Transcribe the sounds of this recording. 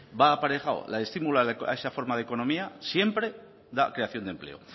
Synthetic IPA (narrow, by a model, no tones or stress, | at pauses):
baːpaɾexaw̰laest̪imulaa̰eʃafo̞ɾmaðeko̞nõ̞miasje̞mpɾe | ða̰kɾeaθjo̞nd̪e̞mple̞̰o̰